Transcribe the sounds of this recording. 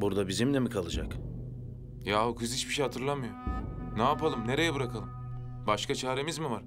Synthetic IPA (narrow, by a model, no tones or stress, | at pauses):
buɾd̪abizimlʲemikʰalˠɯd͡ʒak | jaukʰɯzit͡ʃbiʃehat̪ʰɯɾlˠamɯjonaːpalˠɯmne̞ɾe̞jɛbɯɾakʰalˠɯm | baʃkʰat͡ʃʰaːɾe̞mizmivaɾ̥